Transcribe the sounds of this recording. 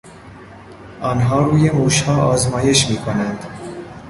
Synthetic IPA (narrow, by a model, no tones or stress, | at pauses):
ɒːnɦɒːɾuːjemuːʃhɒːʔɒːzmɒːjeʃmiːkʰonænd̪